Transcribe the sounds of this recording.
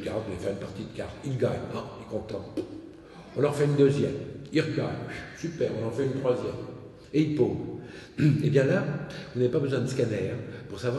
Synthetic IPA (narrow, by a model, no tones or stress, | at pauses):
kaʁd̪ɛifɛʁynpaʁt̪id̪əka̰ʁt̪ilɡaɲ̃lɛkɔ̃t̪ɑ̃ | ɔ̃lɔʁfɛynd̪øzjɛmilʁəɡaɲsypɛʁɔ̃nlɑ̃ʁfɛynt̪χwazjɛm | eilpoːv | ebjɛ̃lavunavepabəzwɛ̃d̪əskanɛːʁpuʁsavwa